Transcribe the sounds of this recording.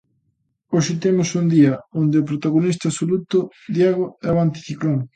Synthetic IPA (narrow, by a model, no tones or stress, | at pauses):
oʃɪt̪emʊsund̪iɐond̪ɪʊpɾot̪aɣonist̪asolut̪ʊ | d̪jaɣoɛβant̪i̥θikloŋ